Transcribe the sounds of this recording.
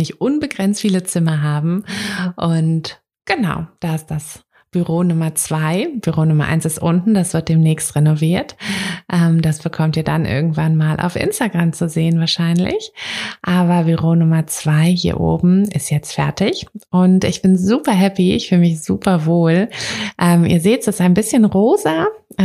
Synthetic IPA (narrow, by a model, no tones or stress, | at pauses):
nɪçtʔʊnbəɡʁɛnt͡stfiːlət͡sɪmɐɦaːbm̩ʔʊnt | ɡ̥ənaʊd̥aːɪstd̥as | b̥yʁoːnʊmɐt͡sv̥aɪb̥yʁoːnʊmɐ̰ʔa̰ɪnsɪstʔʊntn̩d̥asv̥ɪɐt̚d̥eːmnɛːçstʁɛnoviːɐtʔɛmd̥asb̥əkʰɔmtiːɐdanʔɪ̰ɐɡŋ̩tv̥anmaːlʔa̰ʊfʔɪ̰nstaɡʁamt͡suzeːənvaːɐʃaɪnlɪ̰çʔaːbɐbyʁoːnʊmɐt͡sv̥aɪɦiːɐʔo̰ːbm̩ɪ̰stjɛt͡stfɛ̰ɐtɪçʔʊntʔɪçb̥ɪnzuːpɐɦɛpiɪ̰çfyːlmɪçz̥ṵːpʰɐvoːlʔɛmʔḭːɐzeːtz̥asaɪnbɪsçənʁoːzɐ